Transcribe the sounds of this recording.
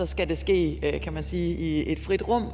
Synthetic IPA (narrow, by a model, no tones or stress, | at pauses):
ɒ̽sɡ̥æd̥e̝sɡ̥e̝̰ːkʰæmænsiːie̝d̥fʁid̥ʁɔ̽m̰